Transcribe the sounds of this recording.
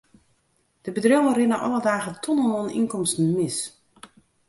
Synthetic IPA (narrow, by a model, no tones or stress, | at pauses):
d̥əbədrøwərɪnəʔɔ̰lˠədaːɣətʰonənonḭnkɔmstn̩mɪs